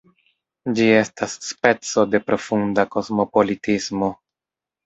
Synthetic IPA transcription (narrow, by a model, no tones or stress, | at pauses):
d͡ʒie̞stasːpe̞t͡so̞de̞pɾo̞fundako̞zmo̞po̞litismo̞